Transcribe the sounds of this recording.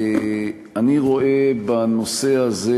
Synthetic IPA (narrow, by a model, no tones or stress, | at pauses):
aniʁo̞e̞bano̞se̞aze